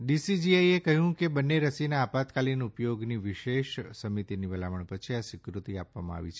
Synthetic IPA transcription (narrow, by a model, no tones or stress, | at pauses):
ɖisid͡ʒiajekəɦjũkebənːeɾəsinaːpat̪kalinupjoɡniʋɪʃeʃsəmit̪iniʋəlaʋəɳpət͡ʃʰiasɪkɾut̪iapʋamã̰a̰ʋḭt͡ʃʰe